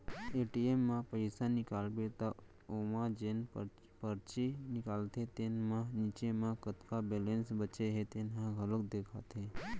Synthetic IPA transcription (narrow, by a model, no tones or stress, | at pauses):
eʈiemːãpəɪsanɪkalbet̪a | omãd͡ʒen | pəɾt͡ʃinɪkalt̪ʰet̪enmãnit͡ʃemãkət̪kabelensbət͡ʃeɦet̪enɦãɡʱələkd̪ekʰat̪e